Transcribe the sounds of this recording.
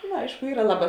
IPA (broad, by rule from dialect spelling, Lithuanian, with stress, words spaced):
nʊ ˈɐɪʃkʊ ˈiːrɐ ˈlˠɑːˌbɑː